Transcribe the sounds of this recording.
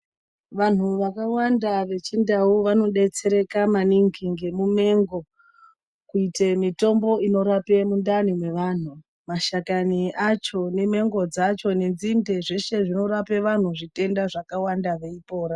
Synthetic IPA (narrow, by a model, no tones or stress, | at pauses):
ʋan̤uʋakawandaʋe̞t͡ʃindauʋano̞ɗe̞t͡se̞ɾe̞kamaniŋɡiŋɡe̞mume̞ŋɡo̞ | kuitemito̞mbo̞ino̞ɾape̞mundanimwe̞ʋan̤u | maʃakaniʔat͡ʃo̞ne̞me̞ŋɡo̞d͡zat͡ʃo̞ne̞nzindeʐeʃe̞ʐino̞ɾapeʋan̤uʐite̞ndaʐakawandaʋe̞ipo̞ːɾa